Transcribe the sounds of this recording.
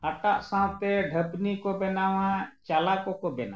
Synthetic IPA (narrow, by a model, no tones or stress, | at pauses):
əʈaʔsãwt̪eɖʱəpnikobɛnawãt͡ʃalakokobɛna̰